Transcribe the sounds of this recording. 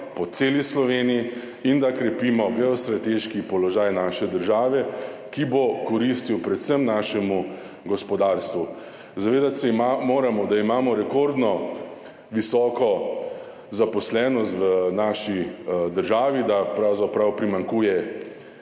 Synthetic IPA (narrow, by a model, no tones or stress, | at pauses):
pɔt̪seːlislɔʋeːnii | ind̪akɾɛpimɔɡɛɔst̪ɾat̪eʃkipɔlɔʒaːjnaːʃɛd̪əɾʒaːʋɛkibokɔɾist̪iwpɾɛt̪səmnaʃɛmu | ɡɔspɔd̪aːɾst̪ʋu | zaʋeːd̪at̪sɛmamoːɾamɔd̪aimaːmɔɾɛkoɾd̪nɔ | ʋisɔːkɔ | zapɔslɛːnɔst̪ʋənaːʃid̪əɾʒaːʋid̪apɾawzapɾawpɾimaŋkuːjɛ